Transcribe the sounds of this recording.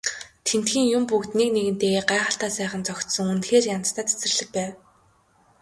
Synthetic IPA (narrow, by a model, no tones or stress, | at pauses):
t̪ʰen̥t̪xiːŋjʊmpukt̪nikneɣɘ̆nt̪eːɣeːɢaːχə̆ɬt̪aːsæːχə̆nt͡sɔxʲt̪sɞ̆ŋunt̪xeːrjant͡s̪t̪ʰaːt͡sʰe̥sɘ̆rɮɘ̆k̚pæːw